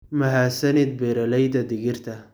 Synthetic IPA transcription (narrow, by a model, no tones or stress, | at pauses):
mɐɦaːsɐnɪd̪̚bɛɾɐlɛjd̪ɐd̪ɪɣɪrt̪ʰɐ